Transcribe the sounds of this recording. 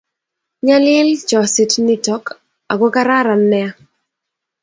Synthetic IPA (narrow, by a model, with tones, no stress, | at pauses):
ɲa˦lɛ˦lt͡ʃɔ˨sɪ˨tnɪ˦tɔ˨˦k | a˨ɡɔ˦ka˦ɾa˦ɾa˨nːɛ˦a˦